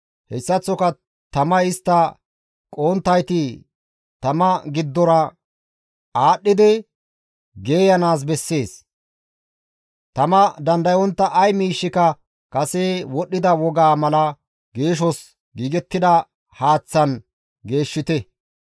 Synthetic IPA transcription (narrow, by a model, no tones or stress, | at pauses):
hɛsːɐt͡sːɔkɐ | t̪ɐmɐɪst̪ːɐ | kʼoːnt̪ːɐjt̪ɪ | t̪ɐmɐɡɪd̪ːɔɾɐ | aːɗːɪd̪ɪ | ɡe̞ːjɐnaːs̬bɛsːe̞ːs | t̪ɐmɐd̪ɐnd̪ɐjɔnt̪ːɐʔɐjmiːʃːɪkɐ | kʼɐseːwɔɗːɪd̪ɐwɔɡaːmɐlɐ | ɡe̞ːʃ̬ɔs | ɡiːɡɛt̪ːɪd̪ɐ | haːt͡sːɐn | ɡe̞ːʃːɪt̪ɛ